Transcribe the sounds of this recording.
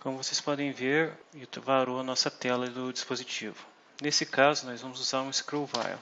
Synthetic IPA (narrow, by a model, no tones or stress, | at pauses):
kõmʊvosespɔd̪ẽj̃veɾɪt̪ɾɐvaɾoɐnɔsɐt̪ɛlɐd̪ʊd͡ʒispozit͡ʃivʊ | nesɪkazʊnɔzvɐ̃mʊzuzaɾũɪskɾowva̰jl